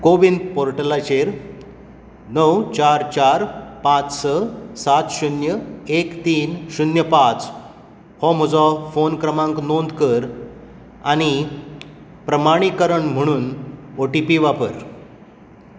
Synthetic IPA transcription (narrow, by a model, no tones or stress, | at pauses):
koʋind̪̚poɾʈəlat͡ɕeɾ | nəwt͡ɕaɾt͡ɕaɾpãt͡ssəsat̪ɕunjəekt̪iːnɕunjəpãt͡s | hɔm̤ɔd͡zɔfonkɾəmãŋknond̪kəɾ | a̰ɽ̃i | pɾəmaɽ̃ikəɾəɳm̤əɽ̃uːnoʈipiʋapəɾ